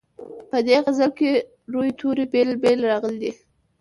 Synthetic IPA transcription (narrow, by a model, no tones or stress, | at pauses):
pəd̪eɣazalke | ɾojt̪ʰoɾebelbelɾɑɣəld̪i